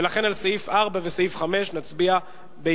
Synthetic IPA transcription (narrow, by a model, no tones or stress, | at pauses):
elaχe̞nalsaifaʁbavesaifχame̞ʃnat͡sbia | be